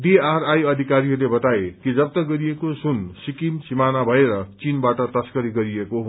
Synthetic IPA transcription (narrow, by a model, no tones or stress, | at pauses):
ɖiarajʌd̪ʱikaɾiɦʌrlebʌt̪aekid͡zʌb̚t̪ʌɡʌɾijekosunsikinsimanabʱʌeɾʌt͡sinbaʈʌt̪ʌskʌɾiɡʌɾiekoɦ